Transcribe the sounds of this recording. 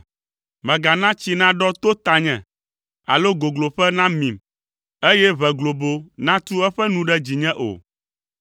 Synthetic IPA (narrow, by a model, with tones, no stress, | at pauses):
mɛ̃˨ɡa˨nã˦t͡ɕi˦nã˦ɖɔ˦t̪o˦t̪a˨ɲɛ̃˨ | a̰˨lo˦ɡo˨ɡlo˨ɸɛ˦nã˦mĩ˨m | e˦jɛ˦βɛ˨ɡlo˨bo˦nã˦t̪u˦ɛ˦ɸɛ˦nũ˦ɖɛ˦d͡ʑi˨ɲɛ̃˦ʔo̰˨